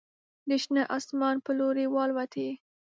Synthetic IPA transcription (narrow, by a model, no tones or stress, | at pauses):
d̪əʃnaʔɑsmɑnpəloɾewɑlwat̪ʰe